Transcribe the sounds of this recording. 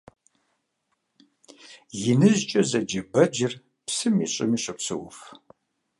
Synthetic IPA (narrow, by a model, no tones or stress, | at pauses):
jɪnɨʑt͡ʃʼɐzɐd͡ʒɐbɐd͡ʒɪr | psɨmiɕʼɪ̰miːɕʼɨpsɨ̰wʊ̰f